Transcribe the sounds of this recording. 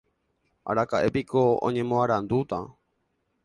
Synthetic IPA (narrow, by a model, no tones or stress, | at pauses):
a̰ɾakaʔe̞pikʰoõ̰ɲẽ̞mõaɾand̪ut̪ã̰